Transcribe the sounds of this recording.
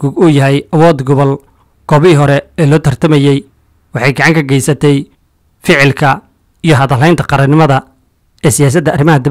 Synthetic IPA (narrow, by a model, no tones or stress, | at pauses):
uɡʊjɐɦɛjɐwɔːd̪ɡɔβɐl | ɡ̥ɔβiɦɔɾɛɛːlɔːt̪ʰɐrt̪ʰɐmɛjɛj | wɑħɑjɡɑʕɑŋkʰɐɡɛjsɐt̪ʰɛj | fɪʕɪlkʰɐ | ijɞɦɐðɐlɛjnt̪ʰɐqɑɾɐnɪmɐðɐ | ɛːsɪjaːs̬ɐd̪ːɐʔːrɪmɐɦɐd̪ɪ